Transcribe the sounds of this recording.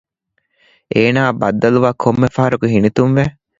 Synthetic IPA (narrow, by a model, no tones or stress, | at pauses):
ʔeːnaːbɐd̪ːɐluʋaːkʰomːefɐɦɐɾɐkuɦinit̪unʋe